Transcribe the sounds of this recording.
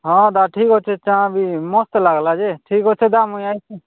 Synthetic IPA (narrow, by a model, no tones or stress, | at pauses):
ɦɔ̃d̪aʈʰikɦɔt͡ʃʰet͡ʃãbimɔst̪laɡlad͡ʒeʈʰikɦɔt͡ʃʰed̪amojajt͡ʃʰe